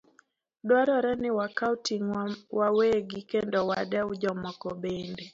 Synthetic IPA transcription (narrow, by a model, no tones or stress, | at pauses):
dwaɾɔɾɛnɪwakautiŋwaweɡikendɔwadaud͡ʒɔmɔkɔbende